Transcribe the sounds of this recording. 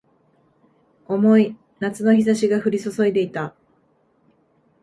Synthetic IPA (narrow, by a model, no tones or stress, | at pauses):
o̞mo̞i | nat͡sɨno̞çis̬aɕiɡaɸɯ̟ɾʲiso̞so̞id̪e̞it̪a